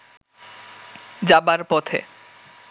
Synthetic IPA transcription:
d͡ʑabaɾpɔt̪ʰḛ

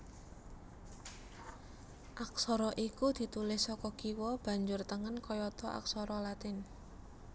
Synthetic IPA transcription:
ʔak̚sɔɾɔʔikud̪̥i̤t̪ulɪhsɔkɔɡ̥iwɔb̥a̤ɲd͡ʒʊrt̪əŋənkɔjɔt̪ɔʔa̰ksɔɾɔlat̪ɪn

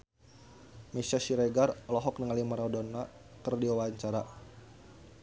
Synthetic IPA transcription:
mɛsaʃiɾɛɡarlɔɦɔk̚niŋalimaɾɔdɔna | kərdiwawaɲt͡ʃaɾa

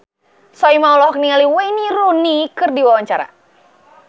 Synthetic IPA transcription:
sɔimaulɔɦɔk̚niŋaliwajniɾunikɨrdiwawaɲt͡ʃaɾa̰

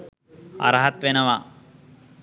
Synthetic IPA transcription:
ɐ̰ɾɐɦɐt̪ʋenɐʋa

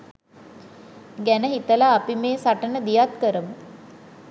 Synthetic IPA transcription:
ɡænəɦit̪əlaːpimeːsaʈənəd̪ijat̪kəɾəmə

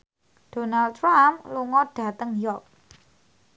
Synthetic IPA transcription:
ɖ̥o̤nald̚tɾamluŋɔɖ̥ä̤t̪əŋjɔk̚

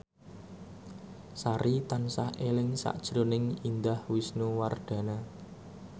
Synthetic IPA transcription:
saɾit̪ansahelɪŋsa̰ʔd̥ʒ̥ɾonɪŋind̪ahwisnuward̪̥ä̤na

